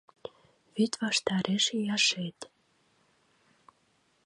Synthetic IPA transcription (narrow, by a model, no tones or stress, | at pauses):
βyt̪vɑʃt̪ɑɾʔeʃejɑʃet̪